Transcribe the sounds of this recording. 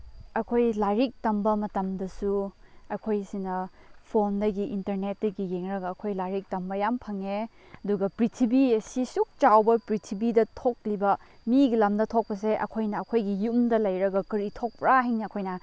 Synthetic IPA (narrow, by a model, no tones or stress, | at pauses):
ɐkʰojlaɾik̚tɐmbɐmɐtɐmdɐsuɐkʰojsinɐpʰondɐɡiʔintɐɾnet̚dɐɡijeŋɾɐɡɐːkʰojlajɾik̚tɐmbɐjampʰɐŋe | ɐduɡɐpɾitʰibiɐsisuk̚t͡ʃawbɐpɾitʰibidɐtʰok̚libɐmiɡilɐmdɐtʰok̚pɐs̬eʔɐ̰kʰojnɐːkʰojɡijumdɐlɐjɾɐɡɐkɐɾitʰok̚pɾaɦiŋnɐɐkʰojnɐ